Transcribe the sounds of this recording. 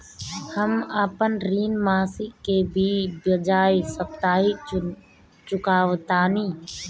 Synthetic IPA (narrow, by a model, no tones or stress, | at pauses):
həmapənɾiːnmaːsikebʱibəd͡ʒaːisəp̚t̪aːɦi | t͡ʃʊkaːʋt̪aːniː